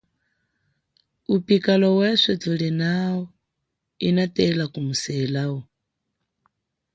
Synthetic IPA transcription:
upikalɔwɛʂɔd͡zulɛnawɔ | inatɛlakumusɛlawɔ

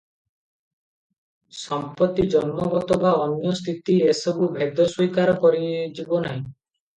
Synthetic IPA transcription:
sɔmpɔt̪ːid͡ʒɔnmɔɡɔt̪ɔbaɔnjɔst̪ʰit̪iesɔbubʱed̪ʱɔswikaɾɔkɔɾid͡ʒibɔnaɦĩ

